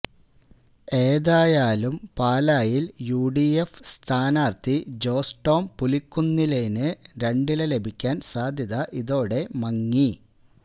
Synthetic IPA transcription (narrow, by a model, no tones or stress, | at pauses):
e̞ːðaːjaːlumpaːlaːjiljuːɖiefst̪ʰaːnaːrt̪id͡ʑo̞ːsʈo̞ːmpulikːunːilejnɨɾe̞ɳɖilele̞bʱikʲːaːnsaːd̪ʱjɐðɐʔiðo̞ːɽe̞mɐŋːi